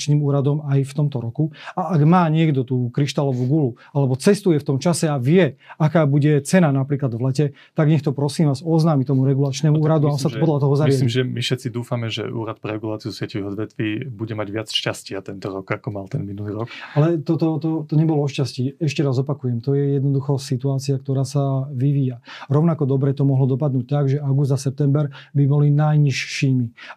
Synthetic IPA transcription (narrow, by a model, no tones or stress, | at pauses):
t͡ʃniːmuːɾad̪ɔmajft̪ɔmt̪ɔɾɔkuaʔaɡmaːɲɪɛɡd̪ɔt̪uːkɾiʃt̪alɔʋuɡulu | alɛbɔt͡sɛst̪ujɛft̪ɔmt͡ʃasɛaʋɪɛakaːbuɟɛt͡sɛnanapɾiːklad̪ʋlɛcɛ | t̪aɡɲɛxt̪ɔpɾɔsiːmʋaːzɔznaːmit̪ɔmuɾɛɡulat͡ʃnɛmuuːɾad̪uaasapɔd̪lʎat̪ɔɦɔzaɾmjaimʒʒɛmifʃɛt̪t͡sid̪uːfamɛʒɛ̰ʔṵːɾat̪̚pɾɛɾɛɡulaːt͡siusɪɛciʋiɦɔd̪ʋɛt̪ʋiːbuɟɛmaɟʋɪat͡sʃcascɪat̪ɛnt̪ɔɾɔkakɔmalˠt̪ɛnminuliːɾɔkalɛt̪ɔt̪ɔt̪ɔt̪ɔɲɛbɔlɔɔʃcasciːɛʃcɛɾazɔpakujɛmt̪ɔjɛjɛd̪nɔd̪uxɔsit̪uaːt͡siakt̪ɔɾaːsaʋiʋiːjaɾɔʊnakɔd̪ɔbɾɛt̪ɔmɔɦlɔd̪ɔpad̪nuːc̚t̪aɡʒɛaɡuzd̪asɛp̚t̪ɛmbɛɾbibɔlinajɲiʃːiːmi